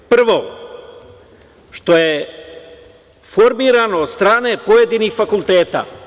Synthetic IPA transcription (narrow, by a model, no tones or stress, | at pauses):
pr̩ʋo | ʃt̪o̞je | fo̞ɾmiɾano̞ːd̪st̪ɾaːne̞po̞jed̪inixfakulˠt̪eːt̪a̰ː